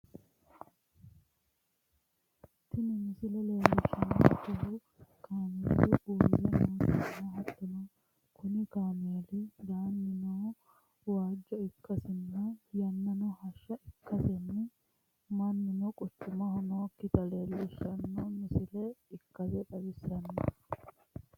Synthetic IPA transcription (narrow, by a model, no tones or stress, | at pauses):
t̪ːɪnɪmɪsɪlɛle̞ːlːɪʃːɐno̰kʊɦʊ | kaːmḛːlɪʔuːnjɛ̰noːt̪ɪnːɐhɐt̪ːɔnɔ | kʰʊnɪkaːmeːlɪd̪aːnːɪnoː | waːd͡ʒːɔɪkːɐsɪnːɐjɐnːɐnɔhɐʃːɐʔɪkːɐsɛnːɛ | mɐnːɪnɔkʼɔt͡ʃːʊmɐhɔnoːkːɪt̪ɐleːlːɪʃːɐnːɔmɪsɪlɛɪkːɐzɛᶑɐbɪsːɐnːɔ̰